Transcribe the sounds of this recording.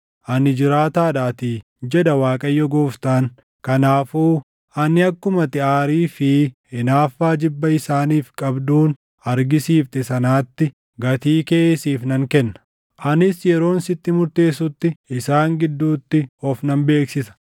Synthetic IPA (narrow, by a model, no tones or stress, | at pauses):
ʔɐnɪd͡ʒɪɾaːt̪aːᶑaːt̪i | d͡ʒɛd̪ɐwaːkʼɐjːɔɡoːft̪aːŋ | kɐnaːfuː | ʔɐnɪɐkːʊmɐt̪ɪaːɾiːfɪ | ɪnaːfːaːd͡ʒɪbːɐɪsaːniːfkʼɐbd̪uːn | ɐɾɡɪsiːft̪ɛsɐnaːt̪ːɪ | ɡɐt̪iːkeːsiːfnɐŋkɛnːɐ̥ | ʔɐnɪsjɛɾo̞ːnsɪt̪ːɪmʊɾt̪e̞ːsʊt̪ːɪɪsaːŋɡɪd̪ːuːt̪ːɪɔfnɐmbe̞ːksɪsɐ̥